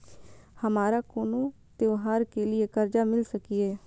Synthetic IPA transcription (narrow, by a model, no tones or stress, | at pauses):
həmaːɾaːkoːnõː | t̪eoːɦaːɾkeːlɪekəɾd͡ʒaːmɪlsəkieː